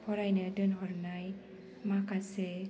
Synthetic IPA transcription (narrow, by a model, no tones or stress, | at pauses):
pʰɔɾajnɯdɯnɦɔɾnaj | makʰase